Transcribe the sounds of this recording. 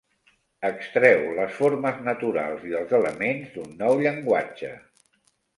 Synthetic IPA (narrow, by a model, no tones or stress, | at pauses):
əkst̪ɾɛwləsfoɾməznət̪uɾa̰lˠziəlˠzələmenzd̪unːɔwʎəŋɡwad͡ʒə̰